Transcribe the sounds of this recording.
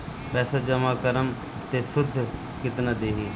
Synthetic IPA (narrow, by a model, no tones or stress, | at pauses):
pɛːsaːd͡ʒəmaːkəɾəm | t̪eːsʊd̪ʱː | kɪt̪nãːd̪eːɦeː